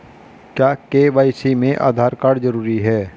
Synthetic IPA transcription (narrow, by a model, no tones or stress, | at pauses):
kjaːkeːʋaːɪsimẽʔa̰ːd̪ʱaːɾkaːɽd͡ʒəɾuːɾiɦɛː